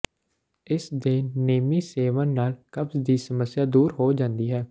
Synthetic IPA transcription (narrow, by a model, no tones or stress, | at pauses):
ɪsd̪eːnːeːmiːseːʋə̃ːnnaːlkəbzd̪iːsəməsːjaːd̪uːɾɦoːd͡ʒãːnd̪iːɦɛː